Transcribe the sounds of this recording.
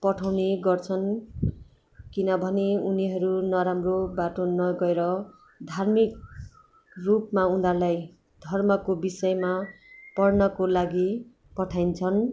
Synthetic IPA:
pʌʈʰawneɡʌrt͡sʰʌn | kinʌbʱʌneuniɦʌɾunʌɾamrobaʈonʌɡʌeɾʌ | d̪ʱarmik̚ | rupmaund̪alaj | d̪ʱʌrmʌkobisʌjmapʌrnʌkolaɡi | pʌʈʰajnt͡sʰʌn

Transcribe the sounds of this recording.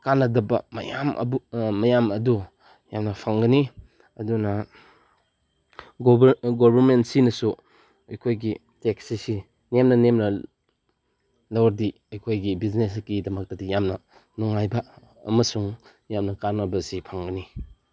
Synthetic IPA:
kanɐdɐbɐ̰mɐ̰ja̰mɐ̰bumɐjamɐdu | jamnɐpʰaŋɡɐni | ɐdunɐ | ɡɡobʱɐɾmentsinɐsu | ɐjkʰojɡi | tek̚sisi | nemnɐnemnɐ | lɐwɐɾdi | ɐjkʰojɡibizneskidɐmɐk̚tɐdijamnɐ | nuŋajbɐ | ɐ̰mɐsuŋ | jamnɐkanɐbɐsipʰaŋɡɐni

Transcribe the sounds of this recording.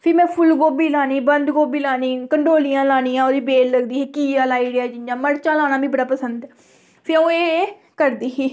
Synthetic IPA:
pʰɪɾmɛ̃ːpʰʊlɡoːbiːlaːniːbənd̪ɡoːbiːlaːniːkəɳɖoːlijãːlaːniːãːoːɾiːbeːlləɡd̪iːɦiːkiːaːlaːiɽɪjaːd͡ʒɪnd͡ʒãːməɾt͡ʃãːlaːnaːbĩːbəɽaːpəsənd̪ɛː | pʰɪɾõːeː | kəɾd̪iːɦiː

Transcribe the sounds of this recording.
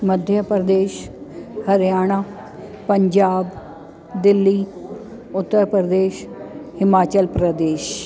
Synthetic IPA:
məd̪ʱjəpɾəd̪eːʃhɐɾjaːɽ̃aː | pəɲd͡ʒaːb | d̪ɪlːiː | ʊt̪ːəɾpɾəd̪eːʃhɪmaːt͡ʃəlpɾəd̪eːʃ

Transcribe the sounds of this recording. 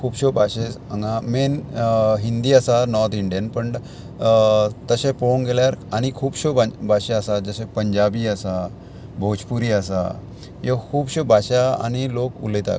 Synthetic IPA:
kʰuːbɕobʱaɕes | əŋɡãmenɦind̪iːəsanɔɾt̪ʰiɳɖijənpəɳ | t̪əɕẽpounɡeljaɾaɽ̃ikʰuːbɕobabʱaɕeəsad͡zəɕepəɲd͡ʑabiːəsa | bʱod͡ʑpuɾiːəsa̰ | jokʰuːbɕobʱaɕaa̰ɽ̃ilokṵləit̪a̰

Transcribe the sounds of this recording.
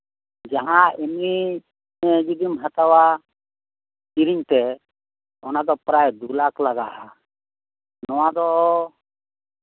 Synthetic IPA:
d͡ʒaɦãɛmi | d͡ʒid̪imɦat̪awa | t͡ʃiɾiɲt̪ɛ | ɔnad̪ɔpɾajd̪ulaklaɡaha | nɔwad̪ɔ

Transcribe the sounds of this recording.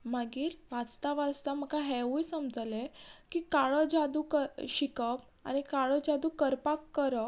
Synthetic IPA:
maɡiːɾʋat͡st̪aʋat͡st̪am̤əkaɦɛʋujsəmd͡zalekiːkaɭɔd͡zad̪ukəɕikəp | a̰nikaɭɔd͡zad̪uːkəɾpakːəɾə

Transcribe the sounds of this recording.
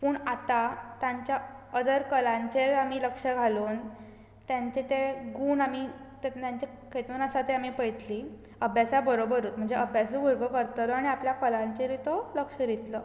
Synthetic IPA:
puːɳat̪at̪jaɲt͡ɕjaəd̪əɾkəlãɲt͡ɕeɾamiːləkʂəɡʱaluːn | t̪jaɲt͡ɕet̪eɡuːnami | t̪et̪jãɲt͡ɕe | kʰet̪uːnasat̪eamipəjt̪liː | əbʱjasabəɾobəɾuːt̪̚m̤əɳd͡zeʔəbʱjasuɡʱuɾɡəkəɾt̪laɽ̃iapljakəlãɲt͡ɕeɾit̪oləkʂəɾit̪lə

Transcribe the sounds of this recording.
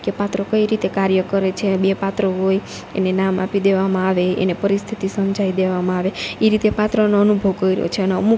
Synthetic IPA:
kepat̪ɾəkəiɾit̪ekaɾjəkəɾet͡ʃʰebepat̪ɾəɦoj | ḛnenamʔa̰pid̪eʋamãaʋeḛnepəɾist̪ʰit̪isəmd͡ʒʱaid̪eʋamãaʋeeɾit̪epat̪ɾənoənubʱəʋkəiɾ̰o̰t͡ʃʰeəneə̰mu

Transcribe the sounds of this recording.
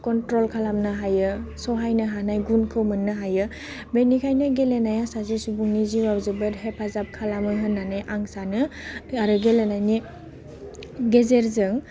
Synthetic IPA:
kɔntɾɔlkʰalamnɯɦajɯsɔɦajnɯɦanajɡunkʰɯwmɯnːɯɦajɯ | benikʰajnɯɡelenajasazisubuŋniziwawzɯbɯɾɦepʰazap̚kʰalamɯɦɯnːanɯʔaŋsanɯaɾɯɡelenajni | ɡezeɾzɯŋ

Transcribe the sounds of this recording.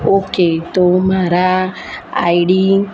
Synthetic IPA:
oket̪omaɾa | a̰jɾi

